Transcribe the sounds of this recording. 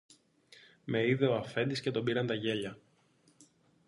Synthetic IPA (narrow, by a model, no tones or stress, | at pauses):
me̞iðe̞oɐfe̞nd̪isce̞t̪o̞biɾɐnt̪ɐʝe̞ʎɐ